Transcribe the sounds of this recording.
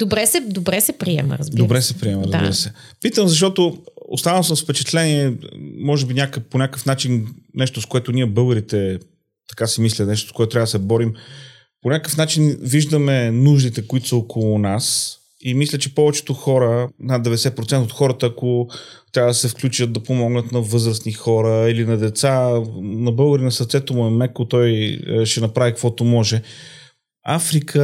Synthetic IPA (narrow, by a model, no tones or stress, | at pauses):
d̪obɾɛsɛd̪obɾɛsɛpɾiɛ̰mə̰ɾɐ̰zbdiobɾɛsɛpɾiɛməɾəzbḭɾəsɛ | pit̪əmzɐʃ̬t̪ɔt̪oo̰st̪anəlˠsəmsfpɛt͡ʃɛt̪lɛniɛmɔʒɛbinʲakəponʲakəfnat͡ʃinnɛʃt̪ʊskoɛt̪ʊniɛbɤɡəɾit̪ɛ | t̪ɐkasɛmislʲənɛʃ̬t̪o̥skoɛt̪t̪ɾavɐd̪sɛbɔɾim | ponʲakəfnat͡ʃinviʒd̪əmɛnuʒd̪it̪ɛkʊit̪o̥səokʰolˠʊnas | imislʲət͡ʃɛpɔvɛt͡ʃɛ̥t̪oxɔɾənad̪ːɛvɛd̪ɛsɛt̪̚pɾot̪sɛnt̪ot̪xɔɾət̪əːkot̪ɾʲavəd̪ɐsɛfklʲut͡ʃət̪̚d̪ɐpomɔɡnət̪nɐvɤzɾəsnixɔɾəilinɐd̪ɛt̪sanɐbɤlˠɡəɾinɐsəɾt̪sɛt̪omʊɛmɛkot̪ɔjʃɛnɐpɾavikəkvɔt̪omɔʒɛ | afɾikʰə